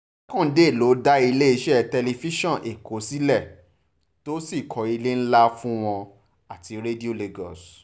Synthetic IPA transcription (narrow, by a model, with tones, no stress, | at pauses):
kɔ̃˦˨n̩˨˦de˦˨lo˨˦da˦i˧le˦e˧ʃɛ˦˨tɛ˧le˧fi˦ʃɔ̃˦˨ʔe˨ko˨˦si˨˦lɛ˦˨ | to˦si˦˨kʰɔ˨˦i˧le˦n̩˦la˦fũ˦w̃ɔ̃˧ | a˨ti˨˦ɾe˦di˦o˦˨le˧ɡɔ˨s